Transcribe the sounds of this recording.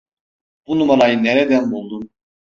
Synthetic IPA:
b̥unumaɾajɯnːɛɾɛd̪ænbulˠd̪un

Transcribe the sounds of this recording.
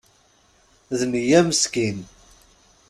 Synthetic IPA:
ðmijæməskin

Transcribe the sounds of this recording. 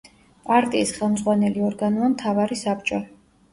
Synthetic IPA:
pʼaɾt̪ʼiːsχɛlˠmd̪zʁwanɛliɔɾɡanuamt̪ʰavaɾisap̚ʰt͡ʃʼɔ

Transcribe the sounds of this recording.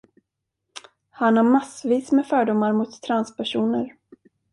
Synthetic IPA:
hanhaɾmasviːsmɛfœːɖʊmːaɾmʊt̪t̪ʰːɾanspæʂuːnəɾ

